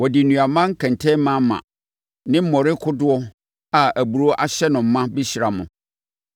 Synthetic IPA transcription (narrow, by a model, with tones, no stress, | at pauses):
wɔ˨dɪ˨nũ˨a˨mã˦ŋ̩˦kʰɛ̃˨ntʰɛ̃˦mã˦mã̰˨ | nɪ̃˦m̩˦mɔ̃˨ɾɪ˦kʰʊ˦dʊ˦ɔ˦ | a˨ʔæ˨bu˨ɾo˦ʔa˦ɕɛ˦nʊ̃˨m̩˨˦mã˦bi˦ɕi˨ɾa˨mʊ̰̃˨